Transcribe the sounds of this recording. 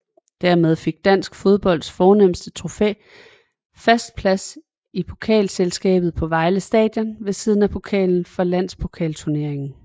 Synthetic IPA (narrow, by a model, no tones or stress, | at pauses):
d̥æɐmeð̞ˠfe̝ɡ̥̚d̥æn̰sɡ̥fo̝ð̞ˠb̥ɒ̽l̰d̥sfɒːnem̰sd̥ət͡sʰʁo̝fe̝̰ː | fæsd̥̚pʰlæs | ipʰo̝kʰɛ̰ːlselsɡ̥ɛ̰ːb̥ð̩ˠpʰɒ̽ʋɑ̈ɪləsd̥ɛ̰ːd̥jɐnʋe̝siːð̞ˠn̩æpʰo̝kʰɛ̰ːln̩fɒ̽læn̰spʰo̝kʰɛ̰ːlt͡sʰuɐne̝ɐ̰e̝ŋn̩